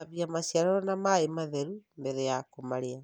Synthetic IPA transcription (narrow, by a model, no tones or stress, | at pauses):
aβjamasiaɾɔɾɔnamaemaðɛɾumbɛðɛjakomaɾea